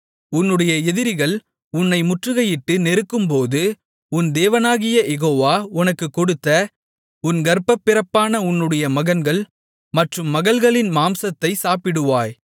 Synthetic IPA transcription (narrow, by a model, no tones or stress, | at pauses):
ʊnːɯɽɐjɐɛðɪɾɪɣɐɭ | ʊnːɐɪmʊʈrɯɣɐjɪʈːɯnɛɾɯkːɯmpoːðɯ | ʊnd̪eːʋɐnaːɣɪjɐjɛɣoːʋaːʊnɐkːɯkːɔɽɯt̪ːɐ | ʊnɡɐɾpːɐpːɪɾɐpːaːnɐʊnːɯɽɐjɐmɐɣɐnɡɐɭ | mɐʈrɯmːɐɣɐɭɣɐɭɪnmaːmsɐt̪ːɐɪsaːpɪɽɯʋaːj